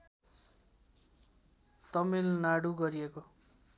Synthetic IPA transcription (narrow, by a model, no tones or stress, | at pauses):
t̪ʌmilnaɽuɡʌɾieko